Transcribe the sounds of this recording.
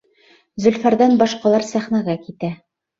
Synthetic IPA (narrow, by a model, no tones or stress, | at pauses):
zɵ̆lfæɾðænbɑʃqɑlˠɑɾsæχnæɣækit̪æ